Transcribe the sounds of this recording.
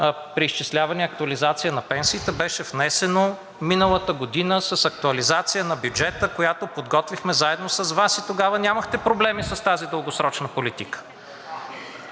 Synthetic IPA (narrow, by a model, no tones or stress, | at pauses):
pɾiːst͡ʃislʲavɐniɐk̚t̪ʊɐlizat̪sijənɐpɛnsiːt̪ɛbɛʃɛvnɛsɛno | minəlˠət̪əɡod̪inəsɐsɐk̚t̪uɐlizat̪sijənɐbʲjud͡ʒɛt̪əkojat̪opod̪ɡɔt̪vixmɛzaɛd̪nosɐzvasit̪oɡavənʲaməxt̪ɛpɾoblɛmisɐst̪azid̪əlˠɡosɾɔt͡ʃnəpolit̪ikə̥